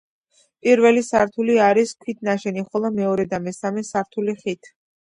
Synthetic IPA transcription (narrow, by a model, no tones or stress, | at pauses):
pʼiɾvɛlisaɾt̪ʰuliaɾiskʰwit̪ʰnaʃɛniχɔlˠɔmɛɔɾɛd̪amɛsamɛsaɾt̪ʰuliχit̪ʰ